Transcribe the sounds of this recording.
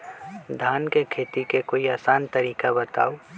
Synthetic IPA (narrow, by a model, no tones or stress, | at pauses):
d̪ʱaːnkekʰeːt̪ikekoːiaːsaːnt̪əɾiːkabət̪a̰ːo